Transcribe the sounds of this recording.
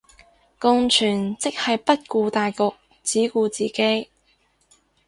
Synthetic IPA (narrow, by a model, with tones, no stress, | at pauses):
kʊ˧ŋt͡ʃʰyː˨˩nt͡sɪ˥k̚hɐ˨jpɐ˥t̚kuː˧t̪aː˨jkʊ˨k̚ | t͡siː˨˥kuː˧t͡siː˨ke˨˥j